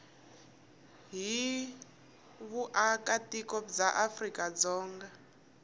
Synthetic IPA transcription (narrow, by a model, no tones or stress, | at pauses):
ɦi | βuʔakatikɔd͡zaʔafrikʼad͡zɔːŋɡa